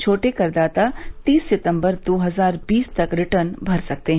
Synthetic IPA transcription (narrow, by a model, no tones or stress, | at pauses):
t͡ʃʰoːʈekɐɾd̪aːt̪at̪iːsːɪt̪ə̃mbəɾd̪oːɦɐzaːɾbiːst̪ɐkɾɪʈənbʱɐɾsɐk̚t̪eɦ